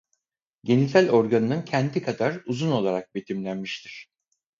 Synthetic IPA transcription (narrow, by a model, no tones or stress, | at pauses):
ɟe̞nisʲælʲo̞ɾɡanɯnɯncʰɛnd̪ikʰad̪aɾuzuno̞lˠaɾak̚be̞t̪ʰimlʲænmiʃt̪ʰiɾ̥